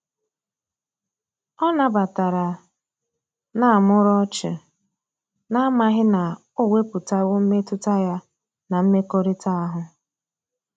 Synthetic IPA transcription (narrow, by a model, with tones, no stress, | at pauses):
ɔ˦na˨ba˨ta˨ɾa˨ | na˦˨a˨mʊ˦ɾɔ˦t͡ʃɪ̰˨ | na˦a˦ma˦ɦɪ˦na˨ | o˦we˦pʊ˨ta˦wo˦m̩˦me˦tʊ˦ta˦ja˦ | na˨m̩˦me˦ko˦ɾe˦ta˦a˦ɦʊ˨